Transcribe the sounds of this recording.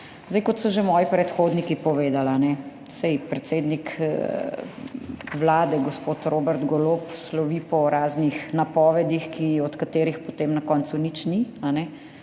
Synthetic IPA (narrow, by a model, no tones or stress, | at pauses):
zd̪ɛjkɔt̪sɔʒemɔːjipɾɛt̪xoːd̪nikipɔʋeːd̪alanɛ | sɛjpɾɛt̪seːd̪nik | ʋlaːd̪ɛɡɔspoːt̪ɾoːbɛɾd̪ɡɔlopslɔʋipɔɾaːznixnapɔːʋɛd̪ixkiɔt̪kat̪eːɾixpɔt̪eːmnɐkɔːnt̪sunit͡ʃnianɛ